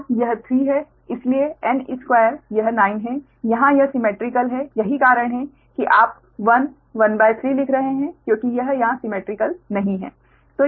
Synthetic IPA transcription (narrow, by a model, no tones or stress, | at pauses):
jɐɦt̪ʰɾiːɦɛ | ɪslieɛnɪ̰skwaːjəɾjɐɦnaːɪnɦɛ̃ | jɐɦãjɐɦsɪmeːʈɾɪkəlɦɛjɐɦikaːɾəɽ̃ɦɛ̃ | kiʔaːp̚ | ʋɐn | ʋɐnbaːɪt̪ʰɾiːlɪkʰɾɐɦeɦɛ̃kjõːkijɐɦjɐɦãsɪmeːʈɾɪkəlnɐɦĩɦɛ̰ː | t̪oː